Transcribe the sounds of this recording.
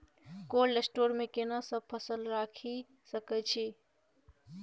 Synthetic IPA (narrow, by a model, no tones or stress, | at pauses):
kolːesʈoɾmekenasəb̚pʰəsəlɾakʰi | səkɛt͡ʃʰi